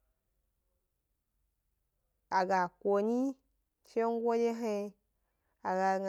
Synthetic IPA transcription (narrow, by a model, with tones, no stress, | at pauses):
a˨ɡa˨kʷo˨ɲi˦ | t͡ʃe˦ŋ˦ɡʷo˦de˦ɦe˧ | a˨ɡa˨ŋ